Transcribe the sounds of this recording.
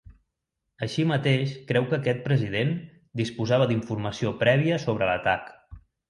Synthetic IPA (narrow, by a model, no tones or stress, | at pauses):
əʃimət̪eʃkɾɛwkəːkɛt̪̚pɾəzið̞en | d̪ispuzaβəd̪iɱfurməsiopɾɛβiəsoβ̞ɾələ̰t̪ak